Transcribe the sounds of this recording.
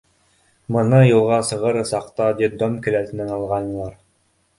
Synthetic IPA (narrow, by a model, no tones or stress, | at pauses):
mɤ̆nɤjɤ̆lˠʁɑsɤ̆ʁɤɾɤ̆sɑqt̪ɑd̪id̪omkɘ̆læt̪ɘ̆nænɑlˠʁɑnɤ̆lˠɑɾ